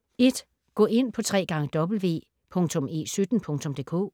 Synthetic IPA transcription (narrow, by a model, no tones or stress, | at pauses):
e̝d̥ | ɡ̥ɔ̰e̝n̰pʰɒ̽t͡sʰʁɛ̰ːɡ̥ɑ̈ŋəd̥ɒ̽b̥l̩ʋe̝̰ː | pʰɔ̽ŋt͡sʰɔ̽me̝̰ːsyd̥n̩pʰɔ̽ŋt͡sʰɔ̽md̥e̝ːkʰo̝̰ː